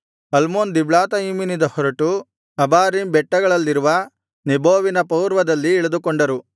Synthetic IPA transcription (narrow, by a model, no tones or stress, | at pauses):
ɐlmoːnd̪ibɭaːt̪ɐiːminid̪ɐhɔɾɐʈu | ɐbaːɾimbɛʈːɐɡɐɭɐlːiɾuʋɐ | nibʱoːʋinɐpɐwɾʋɐd̪ɐlːiɛɭɐd̪ukoɳɖɐɾu